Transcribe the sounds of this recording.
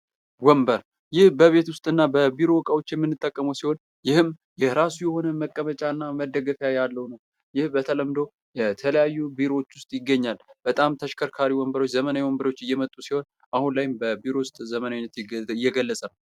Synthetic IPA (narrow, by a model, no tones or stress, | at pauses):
wɔmbəɾ | jɪhbəβe̞t̪wʊst̪ʼɨnːabəbiɾo̞wɔkʼawot͡ʃːjɛmːɨnːɨt̪ʼːəkʼːəməwsiho̞n | jɪhɨm | jɛɾasujɛho̞nəməkʼːəβət͡ʃʼanːaməd̪əɡəfjajalːəwunəw | jɪhbət̪ʰələmd̪o̞ | jɛt̪ʰələjajːubiɾo̞wot͡ʃːwʊst̪ʼjɪɡːəɲːalb̥ət̪ʼamt̪ʰəʃkʰəɾkʰaɾiwɔmbəɾo̞t͡ʃːzəmənajiwɔmbəɾot͡ʃːɨjːɛmət̪ʼːusiho̞n | ʔahunlajɪmbəbiɾo̞wʊst̪ʼzəmənawinːət̪jɛɡəlːəsʼənəw